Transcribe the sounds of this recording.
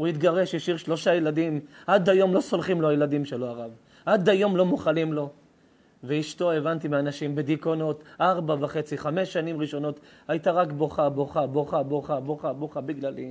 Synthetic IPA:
uit̪ɡaʁeʃjeʃiʁʃlo̞ʃajeladimʔad̪ajo̞mlo̞so̞lχimloajelad̪imʃeloaʁav | ʔad̪ajo̞mlo̞moχalimlo̞ | veiʃto̞evant̪imeanaʃimbed̪ikono̞tʔaʁbavaχe̞t͡siχame̞ʃːanimʁiʃo̞no̞tajit̪aʁakbo̞χaboχaboχaboχaboχaboχabiɡlali

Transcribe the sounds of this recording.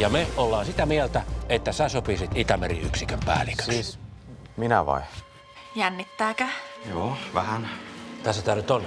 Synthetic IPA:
jɑmeolːɑːnsit̪æmielt̪æet̪ːæsæsopisit̪it̪æmerḭyksikømpæ̰ːlikø̥siːs | minæ̰ʋɑ̰i | jænːit̪ːæːkæjoːʋæhænt̪æsːæt̪æːnyt̪on

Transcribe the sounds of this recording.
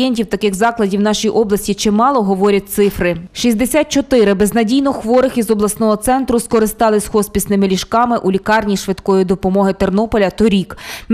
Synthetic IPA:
ɛnʲtʲiwt̪ɐkɪxzɑklˠɐdʲiwnɑʃijiʔɔblˠɐsʲtʲit͡ʃɪmɑlˠɔɦɔʋɔɾʲɐt̚ʲt̪sɪfɾɪʃisʲd̪esʲat̪̚t͡ʃɔt̪ɪɾɪbeznɐdʲijnɔxʋɔɾɪxizɔblˠɐsnɔɦɔt̪sɛnt̪ɾʊskɔɾɪst̪ɑlˠɪsʲxɔspʲisnɪmɪlʲiʃkɑmɪʔulʲikɑrnʲiʃʋɪd̪kɔjid̪ɔpɔmɔɦɪt̪ernɔpɔlʲɐt̪ɔɾʲik

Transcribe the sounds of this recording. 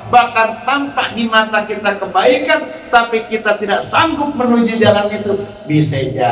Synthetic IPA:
bahkant̪ampaʔdimat̪akit̪akəbaikan | t̪apikit̪at̪idaʔsaŋɡʊt̪̚mənud͡ʒidalanit̪u | bisad͡ʒa

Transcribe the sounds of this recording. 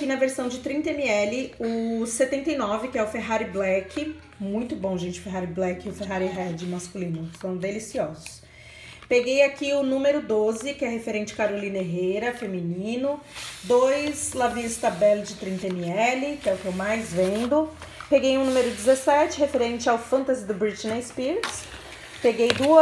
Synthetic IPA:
kinɐveɾsɐ̃w̃d͡ʒɪt̪ɾĩnt̪ɐẽmiɛlɪʊset̪ẽnt̪ejnɔvɪkɪɛʊfeɦaɾɪblɛkɪ | mũj̃t̪ʊbõw̃ʒẽnt͡ʃɪʊ̥feɦaɾɪblɛkɪʊfeɦaɾiɦɛd͡ʒɪmaskulĩnʊsɐ̃w̃d̪elisiɔzʊs | peɡejakiʊnũmeɾʊd̪ozɪkɪɛɦefeɾẽnt͡ʃɪ̥kaɾolĩneɦejɾɐfemĩnĩnʊd̪ojzlavist̪ɐbɛld͡ʒɪt̪ɾĩnt̪eniɛlɪkɪɛʊkɪewmajzvẽnd̪ʊ | peɡejʊnũmeɾʊd͡ʒɪzesɛt͡ʃɪhefeɾẽnt͡ʃɪawfɐ̃nt̪azɪd̪ʊbɾit͡ʃinespiɾts | peɡejd̪u

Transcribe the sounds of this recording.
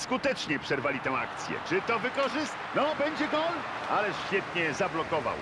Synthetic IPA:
skut̪ɛt͡ʂɲɛpʂɛɾvalʲit̪ɛ̃w̃a̰kt̪sʲjɛ̰t͡ʂɘt̪ɔvɘkɔʐɘst̪nɔbɛɲd͡ʑɛɡɔl | alɛɕfʲjɛt̪ɲɛzablɔkɔva̰w

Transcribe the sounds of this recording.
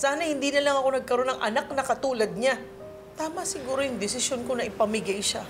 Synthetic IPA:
saːnɐhɪnd̪iːnɐlɐŋɐko̞nɐɡ̚kɐɾo̞nɐŋʔɐ̰nak̚nɐkɐt̪uːlɐd̪̚ɲa | t̪aːmɐsɪɡuːɾojʊŋd̪ɪsɪsjonko̞nɐʔɪpɐmɪɡajʃa

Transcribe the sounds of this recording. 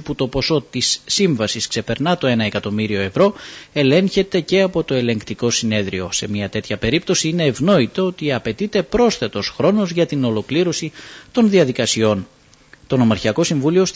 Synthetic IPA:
put̪o̞po̞so̞t̪isːiɱvɐsiskse̞pe̞ɾnɐt̪o̞e̞nɐekɐt̪o̞miɾio̞e̞vɾo̞e̞le̞ɲçe̞t̪e̞ce̞ɐpo̞t̪o̞e̞le̞ŋkt̪iko̞sine̞ðɾio̞se̞miɐt̪e̞t̪çɐpe̞ɾip̚t̪o̞siine̞ːvno̞it̪oo̞t̪iɐpe̞t̪it̪e̞pɾo̞sθe̞t̪o̞sxɾo̞no̞zʝɐt̪ino̞lo̞kliɾo̞sit̪o̞nðiɐðikɐsio̞n | t̪o̞no̞mɐɾçiɐko̞siɱvulio̞s

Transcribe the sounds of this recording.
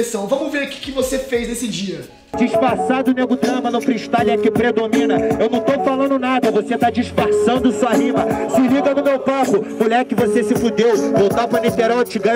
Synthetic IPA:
esɐ̃w̃vɐ̃mʊveɾkɪ̥kɪvosefejznesɪd͡ʒiɐ | d͡ʒiʃfaɾsad̪ʊneɡʊd̪ɾɐ̃mɐnɐ̃w̃fɾiʃt̪alɐkɪpɾed̪omĩnɐewnɐ̃w̃t̪owfalɐ̃nd̪ʊnad̪ɐvoset̪ad͡ʒiʃfaɾsɐ̃nd̪ʊasuanĩmɐsɪliɡɐnʊmewpapʊmuʎɛɾkɪvosesɪfud̪ewvowt̪apɾɐnit̪eɾɔt͡ʃɪɡã

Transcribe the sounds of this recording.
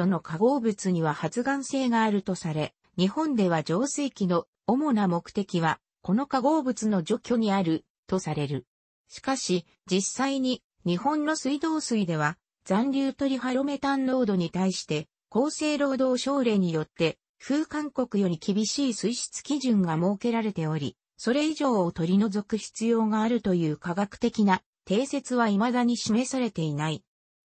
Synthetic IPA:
so̞no̞kaɡo̞ːbɯ̟t͡sɨɲ̟iβ̞ahat͡sɨɡãɰ̃se̞ːɡaːɾɯ̟t̪o̞saɾe̞ | ɲ̟ihõ̞nd̪e̞β̞ad͡ʑo̞ːseːkʲino̞ː | mo̞namo̞kɯ̟̥t̪e̞kʲiβa | ko̞no̞kaɡo̞ːbɯ̟t͡sɨno̞d͡ʑo̞kʲo̞ɲ̟iaɾɯ̟ | t̪o̞saɾe̞ɾɯ̟ | ɕi̥kaɕi | d͡ʑisːaiɲ̟i | ɲ̟ihõ̞nːo̞sɨid̪o̞ːsɨid̪e̞β̞a | d͡zãnɾʲɨːt̪o̞ɾʲiɦaɾo̞me̞t̪ãnɾo̞ːd̪o̞ɲ̟it̪aiɕi̥t̪e̞ | ko̞ːse̞ːɾo̞ːd̪o̞ːɕo̞ːɾe̞ːɲ̟ijo̞t̪ːe̞ | ɸɯ̟ːkãŋko̞kɯ̟jo̞ɾʲikʲibʲiɕiːsɨiɕi̥t͡sɨ̥kʲiʑɨ̃ŋɡamo̞ːke̞ɾaɾe̞t̪e̞o̞ɾʲḭ | so̞ɾe̞iʑo̞ːt̪o̞ɾʲino̞zo̞kɯ̟çi̥t͡sɨjo̞ːɡaːɾɯ̟t̪o̞jɯ̟ːkaɡakɯ̟̥t̪e̞kʲina | t̪e̞ːse̞t͡sɨβaimad̪aɲ̟iɕime̞saɾe̞t̪e̞inai

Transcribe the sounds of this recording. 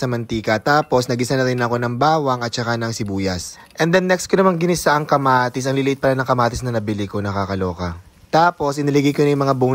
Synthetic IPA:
sɐmɐnt̪iːkɐt̪aːpo̞snɐɡɪsɐnɐɾɪnɐʔɐko̞nɐŋbaːwɐŋɐt̪̚t͡ʃɐkanɐŋsɪbuːjɐs | ʔɛnd̪ɛnːɛkskonɐmaŋɡɪnɪsaʔɐŋkɐmaːt̪ɪs̬ʔɐŋlɪlɪʔɪt̪̚pɐlanɐŋkɐmaːt̪ɪsnɐnɐbɪlɪkonɐkakɐlo̞ːkɐ | t̪aːpo̞sʔɪnɪlɪɡikonɐjmɐŋabu

